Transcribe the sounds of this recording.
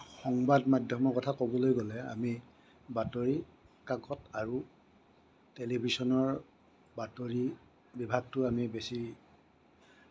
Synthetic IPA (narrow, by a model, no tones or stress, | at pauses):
xɔŋbadmadʱjɔmɔɹkɔtʰakobɔlojɡɔlɛa̰mi | batoɹi | kaɡɔtaɹu | telibʱisɔnɔɹ | batoɹi | bibʱaɡ̚tʊamibesi